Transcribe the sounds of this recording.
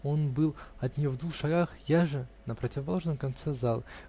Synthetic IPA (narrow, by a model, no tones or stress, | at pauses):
o̞nbɨlˠɐt̪nʲɪjovd̪vuxʂɐɡaxjaʐɨnəpɾətʲɪvəpɐlˠo̞ʐnəmkɐnt̪sɛzalˠ